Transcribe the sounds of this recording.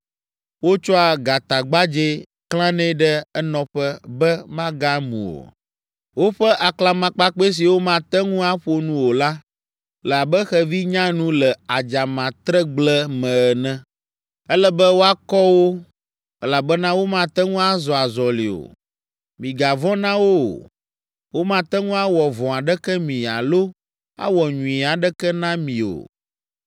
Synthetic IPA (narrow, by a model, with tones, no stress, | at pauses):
wo˦t͡ʃɔ˦a˨ɡa˨t̪a˨ɡ͡ba˦d͡ʒe˦ | klã˦nɛ̃˦ɖɛ˦ɛ˦nɔ̃˦ɸɛ˦bɛ˦mã˦ɡa˦mṵ̃˨o̰˨ | wo˦ɸɛ˦ʔa˨kla˨mã˨k͡pa˦k͡pe˦s̬i˨wo˦mã˦t̪ɛ˦ŋũ˦a˦ɸo˦nũ˦wo˨la˦ | lɛ˨a˨bɛ˦xɛ˦vi˦ɲã˦nũ˦lɛ˨a˨d͡ʒa˨mã˨t̪ɾɛ˦ɡ͡blɛ˦mɛ̃˨ɛ˨nɛ̃˦ | ɛ˦lɛ˦bɛ˦wo˦a˦kɔ˦wo˦ | ɛ˦la˨bɛ˦nã˦wo˦mã˦t̪ɛ˦ŋũ˦a˦zɔ˨a˨zɔ˨li˨o̰˨ | mĩ˨ɡa˨vɔ̃˦nã˦wo˦˨ | wo˦mã˦t̪ɛ˦ŋũ˦a˦wɔ˨vɔ̃˨a˨ɖɛ˦kɛ˦mĩ˨a̰˨lo˦ | a̰˦wɔ˨ɲũ˨i˨a˨ɖɛ˦kɛ˦nã˦mĩ˨o̰˨